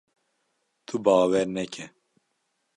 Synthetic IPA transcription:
t̪ʰubɑːwɛɾnɛkʰɛ

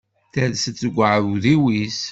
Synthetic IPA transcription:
θæðsət͡sːəɡʷəʕvuðiwis

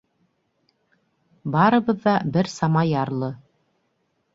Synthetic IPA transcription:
bɑɾɤ̆βɤ̆ðːɑbɘɾsɑmɑjɑɾlˠɤ

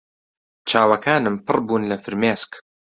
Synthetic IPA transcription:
t͡ʃaːwakaːnəmpɑrˤbunlafɪɾmaːsk

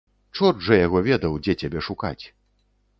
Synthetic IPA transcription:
t͡ʂɔʐɐjaɣɔvʲɛd̪ɐwd͡zʲɛt͡sʲabʲɛʂuka̰t͡sʲ

